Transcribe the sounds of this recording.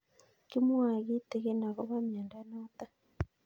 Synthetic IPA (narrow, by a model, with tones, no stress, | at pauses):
ki˦mwa˨ɣi˦te˨ɣe˦na˨ɣo˦βa˦mi˨a˨nda˨˦na˦ta˦